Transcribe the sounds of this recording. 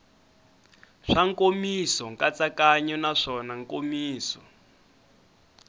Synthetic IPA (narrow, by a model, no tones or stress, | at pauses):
ʂaŋkomisɔŋkat͡sakaɲɔnaʂɔnaŋkomiːsɔ